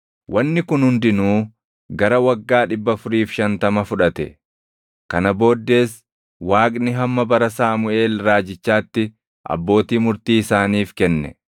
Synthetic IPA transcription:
wʔɐnːɪkʊnhʊnd̪ɪnuː | ɡɐɾɐwɐɡːaːᶑɪbːɐfʊɾiːfʃɐnt̪ɐmɐfʊᶑɐt̪ɛ̰ | kɐnɐbo̞ːd̪ːe̞ːs | waːkʼnɪɦɐmːɐbɐɾɐsaːmʊʔe̞ːlɾaːd͡ʒɪt͡ʃːaːt̪ːɪ | ʔɐ̰bːo̞ːt̪iːmʊɾt̪iːɪsaːniːfkɛnːɛ̰

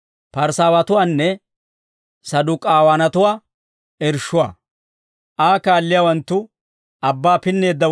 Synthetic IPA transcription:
pɐɾsaːwɐt̪ʊwaːnːɛ | sɐd̪ʊkʼaːwanɐt̪ʊwaː | ɛɾʃʊwa̰ː | ʔaːkaːlːɪjaːwɐnt̪ːʊ | ɐbːaːpɪnːe̞ːd̪ːɐ

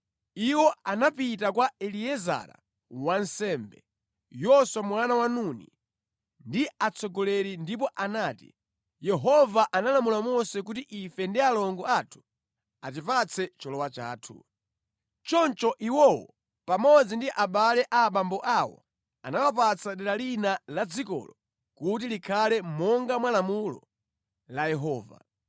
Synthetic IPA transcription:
iwɔanapitakwaɛliɛza̰ɾa̰ | wansɛːmbɛ̰ | jɔswamwanawanunḭ | ndiat͡sʰɔɡɔlɛɾindip̬ɔʔanaːtḭ | jɛɦɔvaʔanalamulamɔsɛk̬utiʔifɛndialɔŋɡɔaːtʰu̥ | at̬ipat͡sʰɛt͡ʃɔlɔwat͡ʃa̰ːtʰṵ | t͡ʃɔnt͡ʃɔʔiwɔwɔ | pamɔd͡zindiʔaɓalɛʔaːɓambɔʔawɔ̰ | a̰nawap̬at͡sʰaɗɛɾalinalad͡zikɔ̰lɔ | kut̬ilikʰalɛmɔŋɡamwalamulɔ̰ | lajɛɦɔːva̰

